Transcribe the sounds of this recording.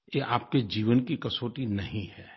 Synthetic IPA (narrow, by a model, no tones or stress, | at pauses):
jeʔaːp̚ked͡ʒiːʋənkikɐsoːʈinɐɦĩhɛː